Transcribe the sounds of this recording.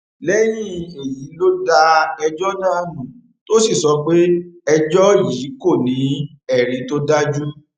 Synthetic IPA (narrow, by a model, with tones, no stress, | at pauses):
lɛ˦j̃ĩ˦e˨ji˨˦lo˦da˧ɛ˧d͡ʒɔ˦nãː˦˨nũ˨ | to˦si˦˨sɔ˧k͡pe˦ɛ˧d͡ʒɔ˦ji˨˦ko˦˨nĩ˨˦ | ɛ˨ɾĩ˨˦to˦da˦d͡ʒu˦